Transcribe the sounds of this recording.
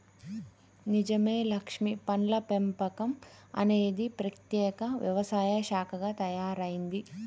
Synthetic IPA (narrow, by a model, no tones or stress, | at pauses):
nid͡ʒɐme̞ːlɐkʂmipɐnlɐpempɐkɐmɐ̰ne̞ːd̪ipɾɐt̪jɛːkɐʋjɐ̰ʋɐsaːjɐʃaːkʰɐɡaːt̪ɐjaːɾɐjind̪i